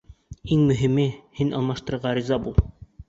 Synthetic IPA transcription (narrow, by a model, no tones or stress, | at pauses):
iŋmɵ̆ɦimɘhinɑ̰lˠmɑʃt̪ɤ̆ɾɤ̆ɾʁɑɾizɑbulˠ